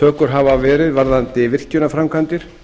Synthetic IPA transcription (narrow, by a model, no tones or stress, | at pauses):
œːkʏɾ̥ɦavavɛːɾɪðvaɾðant̪ɪvɪr̥cʏnafɾamkʰant̪ɪɾ̥